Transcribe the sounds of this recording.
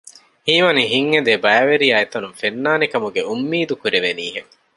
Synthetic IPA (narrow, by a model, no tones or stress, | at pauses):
hiːʋɐniɦiŋːed̪ebɐɐʋeɾiɐet̪ɐnumfenːaːnekɐmuɡeumːiːd̪ukuɾeʋeniːɦeŋ